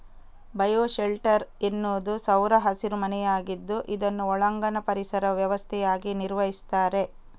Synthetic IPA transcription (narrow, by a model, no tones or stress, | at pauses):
bɐjoːʃelʈɐɾenːoːd̪usɐwɾɐɦɐsiɾumɐnɛjaːɡid̪ːuʔid̪ɐnːuɔɭɐŋɡɐnɐpɐɾisɐɾɐʋjɐʋɐst̪ʰɛjaːɡiniɾʋɐɦist̪aːɾe̞